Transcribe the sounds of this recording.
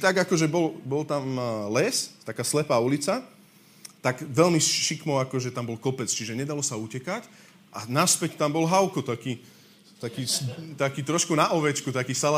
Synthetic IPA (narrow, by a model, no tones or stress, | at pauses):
t̪aɡakɔʒɛbɔlbɔlt̪amlɛst̪akaːslɛpaːulit͡sa | t̪aɡʋɛlmisʃikmɔʊakɔʒɛt̪ambɔlkɔpɛt͡st͡ʃiʒɛɲɛd̪alɔsaucɛkac | ʔanaspɛct̪ambɔlɦaʊkɔt̪akiː | t̪akiːst̪akiːt̪ɾɔʃkunaʔɔʋɛt͡ʃkut̪akiːsala